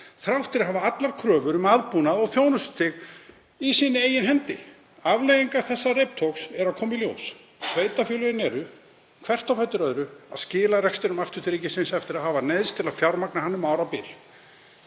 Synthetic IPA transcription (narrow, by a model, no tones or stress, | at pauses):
θɾawht̪ɪɾɦavaat̪laɾ̥kʰɾœːvʏɾʏmaðpuːnaðɔɣθjoːwnʏst̪ʰɪɣ | isiːnɪeːjɪnɦɛnt̪ɪ | avlejɣiŋkaθɛsːarep̚t̪ʰowksɛɾaðkʰɔːmɪiljo̰ws | sveːjt̪afʏːlʏɾɪnɛɾʏ | kʰv̥ɛr̥t̪awfɛjt̪ʏɾœðɾʏa̰ðscɪːlarɛkst̪ɪɾʏmaft̪ʏ̥t̪ɾiːcɪsɪnsɛft̪ɪɾaðɦaːvaneðst̪ʰɪlaðfjawɾmaknahanːʏmaːwɾapɪl